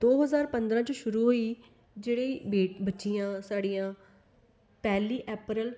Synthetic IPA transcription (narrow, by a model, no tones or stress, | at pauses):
d̪̥oːɦəzaːɾpə̃nd̪ɾãːt͡ʃəʃʊɾuːɦoːiː | d͡ʒeːɽeːbeːbətːʃijãːsaːɽijãː | pɛːliːʔɛːpɾəl